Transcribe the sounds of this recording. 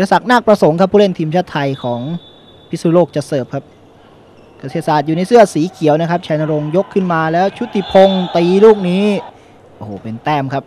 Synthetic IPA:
a˧˩sa˨˩k̚naː˥˩k̚pɾa˧so˩˦ŋkʰa˦˥pʰːuː˥˧le˥˩nt̪ʰiː˧mt͡ɕʰaː˦˥˩t̪ʰːa˧jkʰɔː˩˦ŋ | pʰi˦˥suː˧˩loː˥˩k̚t͡ɕa˨˩sɤː˨˩p̚kʰa˦˥p̚ | ka˧˩siː˧˩t̪̚saː˨˩t̪̚juː˨˩na˧jsɯ˥˩ɐsiː˩˦kʰi˨˩˦əwna˦˥kʰa˦˥p̚t͡ɕʰaː˧na˧ɾo˧ŋjo˦˥kʰːɯ˥˩nmaː˧lɛː˦˥wt͡ɕʰu˦˥t̪ʰːi˨˩pʰo˧ŋt̪iː˧luː˥˩k̚niː˦˥ | ʔo˧hoː˨˩pe˧nt̪ɛː˥˩mkʰa˦˥p̚

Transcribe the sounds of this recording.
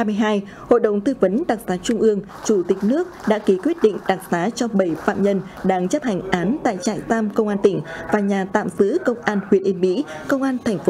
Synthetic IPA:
aː˧jmɨ˧jɦaː˧j | ho̰˧˨jɗə̰˧˨wŋ͡mt̪ɨ˧və˨˦nɗa˨˩k̚saː˨˦t͡ɕʊ˧ŋ͡mʔɨ˧əŋ | t͡ɕu˧˩t̪ï˨˩k̟̚nɨ˦˥ək̚ɗa̰ː˧˥ki˨˦kwi˦˥ət̚ɗḭ̈˧˨ŋ̟ɗa˨˩k̚saː˨˦t͡ɕɔ˧ɓə˧˩jfa̰ː˧˨mɲə˧nɗaː˧ŋt͡ɕə˦˥p̚ha˧˩jŋ̟ʔaː˨˦nt̪a̰ː˧˨jt͡ɕa̰ː˧˨jt̪aː˧mkə˧wŋ͡mʔaː˧nt̪ï˧˩ŋ̟vaː˨˩ɲaː˨˩t̪a̰ː˧˨mzɨ̰˧˥kə˧wŋ͡mʔaː˧nhwi˧˩ənʔi˧nmḭ˧˥ | kə˧wŋ͡mʔaː˧nt̪ʰɛ˨˩jŋ̟f

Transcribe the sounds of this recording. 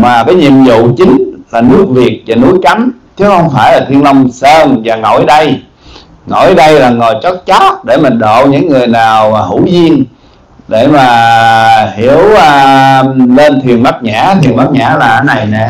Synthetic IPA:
maː˨˩kaː˨˦jɲḭ˧˨əmzṵ˧˨t͡ɕï˨˦ŋ̟laː˨˩nɨ˦˥ək̚vi˨˩ət̚vaː˨˩nu˨˦jt͡ɕa˨˦mt̪ʰi˨˦hə˧wŋ͡mfaː˧˩jlaː˨˩t̪ʰwi˧ənlə˧wŋ͡msəː˧nvaː˨˩ŋo̰˧˩jɗə˧j | ŋo̰˧˩jɗə˧jlaː˨˩ŋo˨˩jt͡ɕɔ˦˥t̚t͡ɕɔ˦˥t̚ɗe˧˩maː˨˩ɗo̰˧˨ɲɨ̰˧˥ŋːɨ˨˩əjnaː˨˩waː˨˩hu˧˩˦zi˧ən | ɗe˧˩maː˨˩ | hi˧˩˨əwː | le˧nt̪ʰwi˨˩ənɓaː˦˥t̚ɲa̰ː˧˥t̪ʰi˨˩ənɓaː˦˥k̚ɲa̰ː˧˥laː˨˩ʔəː˧˦na˨˩jnɛ˨˩

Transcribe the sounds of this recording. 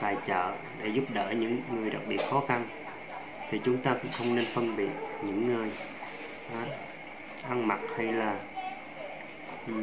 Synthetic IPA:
t̪aː˨˩jt͡ɕə̰ː˧˨ | ɗḛ˧˩˦zʊ˦˥p̚ɗəː˧˩ɲɨ̰˧˥ŋːɨ˨˩əjɗa̰˨˩k̚ɓḭ˨˩ət̚xɔ˨˦xa˧n | t̪ʰi˨˩t͡ɕʊ˨˦ŋ͡mt̪aː˧kʊ̰˧˥ŋ͡mxə˧wŋ͡mne˧nfə˧nɓḭ˨ət̚ɲɨ̰˧˥ŋːɨ˨˩əj | ʔaː˨˩ | ʔa˧ŋma˨˩t̚ha˧jlaː˨˩˨

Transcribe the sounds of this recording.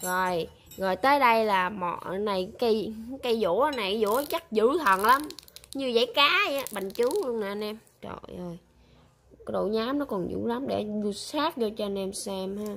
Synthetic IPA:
zo˨˩j | ɣɔ˨˩jt̪əː˨˦jɗə˧jlaː˨˩mɔ̰˧˩˨na˨˩jkə˧jka˧jzo̰˧˩˦na˨˩jzo̰˧˩˦t͡ɕə˦˥k̚zɨ̰˧˥t̪ʰə˨˩nla˨˦mɲɨ˧zə̰˧˦jkaː˨˦a˧˨˦ɓa˨ŋt͡ɕɨ˨˦lu˧əŋnaː˨˩nɛ˧m | zɔ̰˧˨˩zo˨˩j | ka˨˦ɗo̰˧˨ɲaː˨˦mnɔ˨˦kɔ˨˩nzɨ̰˧˩˥la˨˦mɗḛ˧˩zu˧saː˦˥t̚zɔ˧t͡ɕɔ˧nɛ˧msɛ˧mha˧

